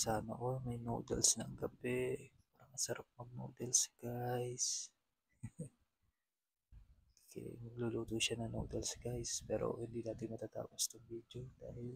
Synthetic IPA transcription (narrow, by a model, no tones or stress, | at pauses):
saːnɐ̰ʔomɐjno̰ːd̪ɛ̰lsnɐʔɐŋɡɐbɛpaːɾɐŋmɐsɐɾap̚mɐɡ̚no̰d̪ɛlsɡ̥ajs | kɛ̰mɐɡ̚luluːt̪ʊʃanɐŋnoːd̪ɛlsɡajspɛ̰ːɾo̰hɪnd̪id̪aːt̪ɪmɐt̪aːt̪a̰ːpost̪ɐŋbiːd̪jod̪̥aːhɪl